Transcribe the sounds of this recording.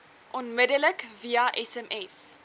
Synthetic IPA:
ʔɔnmədələkviaʔɛsɛmɛs

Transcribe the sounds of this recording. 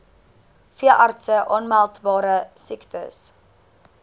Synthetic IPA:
fiəʔɑrtsəʔɔnmælˠtbɑːɾəsiktə̰s

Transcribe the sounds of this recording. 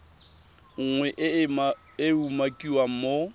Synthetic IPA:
ŋ̩ŋwɛʔ | ɪumakʼiwam̩mo

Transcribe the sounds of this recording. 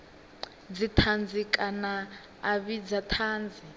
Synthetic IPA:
d͡zitʰand͡zikʼanaː | βid͡zatʰaːnd͡zʱi

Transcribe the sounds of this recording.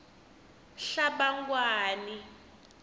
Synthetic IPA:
ɬaɓaŋɡwaːni

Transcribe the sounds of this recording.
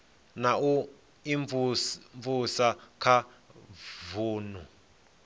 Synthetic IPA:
nau | iɱɱvusakʰa | vuːnu

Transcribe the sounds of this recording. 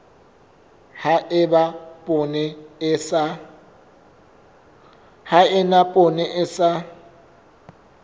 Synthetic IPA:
haʔɪbapʼɔnɛsa | haɪnapʼɔnɛʔɪsa

